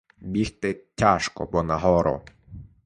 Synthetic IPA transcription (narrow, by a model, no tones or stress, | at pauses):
bʲixt̪ɪtʲaʃkɔ̰bɔnɐɦɔɾɔ̰